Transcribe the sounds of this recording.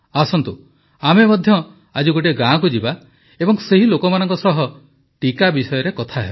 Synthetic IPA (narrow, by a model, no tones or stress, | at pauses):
asɔnt̪u | amemɔd̪ʱjɔ | ad͡ʒuɡoʈ̬eɡãk̬ud͡ʒiba | ebɔŋseɦilokɔmanɔŋkɔsɔɦɔ | ʈikabisɔjɔɾekɔt̪ʰaɦebɔ